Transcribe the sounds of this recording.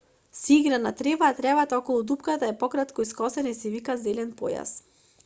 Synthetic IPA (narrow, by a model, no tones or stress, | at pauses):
siiɡɾanat̪ɾɛvaːt̪ɾɛvat̪aɔkɔlˠud̪upkat̪aɛpɔkɾat̪kɔiskɔsɛnisɛvikazɛlɛnpɔ̰ja̰s